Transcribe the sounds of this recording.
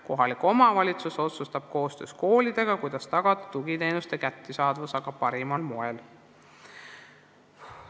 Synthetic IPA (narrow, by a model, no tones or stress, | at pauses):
ko̞ɦɑliko̞mɑvɑlʲit̪suso̞t̪sust̪ɑb̥̚ko̞ːst̪ø̞̰ːsko̞ːlid̪̥e̞ɡ̥ɑkujd̪̥ɑst̪ɑɡ̥ɑd̪̥ɑt̪uɡ̥it̪e̞ːnust̪e̞kæt̪ːisɑːd̪vusɑɡ̥ɑpɑɾimɑlmo̞el